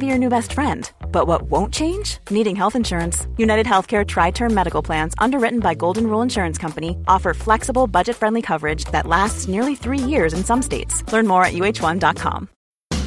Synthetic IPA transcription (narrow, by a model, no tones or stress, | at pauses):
bijə˞nʉbɛstfɹɛ̃ndb̥ʌt̚wʌʔ̚wõʊ̃nt͡ʃʰẽɪ̃nd͡ʒniɾɪ̃ŋɦɛlˠθɨ̃nʃʊɹɨ̃nsjʉnaɪɾɨd̚ɦɛlˠθkʰɛɹtʰɹ̥aɪtʰɜ̃˞nmːɛɾɨkl̩ˠpʰl̥æ̃nzʌ̰̃ndə˞ɹɪʔn̩baɪɡoʊlˠdⁿn̩ɹulˠə̃nʃʊɹɨ̃nskʰʌ̃mpɨniʔɔfə˞flɛksəbl̩ˠbʌd͡ʒɨtfɹɛ̃ndˡlikʰʌvə˞ɪd͡ʒðɨ̰ʔˡlæstsnɪɹlˠiθɹijɪɹzɨ̃nsʌ̃msteɪtslɜ̃˞nmɔɹɨ̰ʔjʉeɪt͡ʃwʌ̃ndɑt̚kʰɑ̰̃m